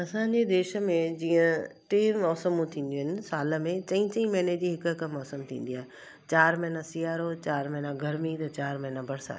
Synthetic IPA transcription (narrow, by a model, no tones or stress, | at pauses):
ɐsãːɲ̆d͡ʑed̪eːʃə̆mẽd͡ʑiːə̃ʈeːmɔːsəmũt̪ʰĩːn̆d̪iuəɦɪnɪ̆saːlə̆mẽt͡ɕɐ̃ĩt͡ɕə̃ĩmɐːned͡ʑiɦɪkɦɪk̆mɔːsəmt̪ʰḭ̃ːn̆d̪iaːɦe | t͡ɕaːɾmɛɦɪnasijaːɾot͡ɕaːɾmɛ̃ɦnãɡʱɐɾmit̪ɐt͡ɕaːɾmɛ̃ːnãbɐɾsa̰ː